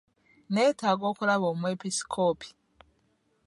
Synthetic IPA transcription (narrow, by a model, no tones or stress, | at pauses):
neːtaːɡo̞ːkulaβoːmweːpisi̥kʰoːpʰi̥